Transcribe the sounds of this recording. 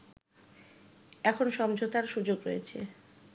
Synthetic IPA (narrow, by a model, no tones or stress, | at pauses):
ɛkʰonʃɔmd͡ʑʱot̪aɾʃud͡ʑoɡɾojet͡ɕʰḛ